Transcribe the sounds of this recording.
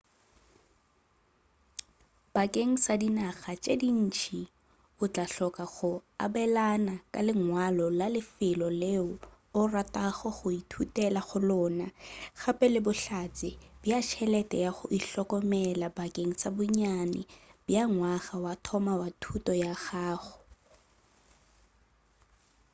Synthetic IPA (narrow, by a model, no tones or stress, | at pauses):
b̥akʼeŋ̩sadinaɣat͡ʃʼedin̩t͡ʃʰi | ʊt͡ɬʼaɬɔkaχʊa̰bɛlanakʼa̰lɪŋwalɔlalɪfɪlɔleʊ | ʊrataχɔχʊitʰutʼɛlaχʊlʊnaɣapʼɛlɪbʊɬat͡sʼɪb̥jat͡ʃʰɛlɛtʼɛ̰jaχʊʔiɬɔkɔmɛlabakʼeŋ̩sabʊɲanɪ̰bjaŋwaɣawatʰɔmawatʰutɔjaɣaːχʊ